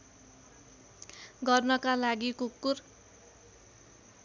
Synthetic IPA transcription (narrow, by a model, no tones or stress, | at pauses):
ɡʌrnʌkalaɡikukːur